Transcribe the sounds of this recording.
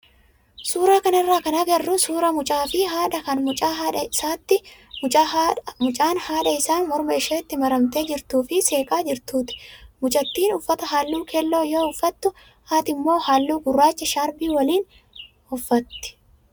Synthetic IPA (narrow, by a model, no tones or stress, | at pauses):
suːɾaːkɐnɪrːaːkɐnɐɡɐrːʊsuːɾɐmʊt͡ʃʼaːfɪɦaːᶑɐkɐnmʊt͡ʃʼaːᶑɐɪsaːt̪ːɪmʊt͡ʃːmʊt͡ʃʼaːnhaːᶑɐɪsaːnmɔɾmeʃeːt̪ːɪmɐɾɐmt̪eːd͡ʒɪɾt̪uːfɪseːkʼaːd͡ʒɪɾt̪uːt̪ɪ̥mʊt͡ʃʼɐt̪ːiːnʊfːɐt̪ɐɦaːlːuːkʰɛlːo̞ːjoːʊfːɐt̪ːʊ | haːt̪ɪmːo̞ːhaːlːuːɡʊrːaːt͡ʃːɐʃaːɾbiːwɐliːn | ʊfːɐt̪ːɪ̥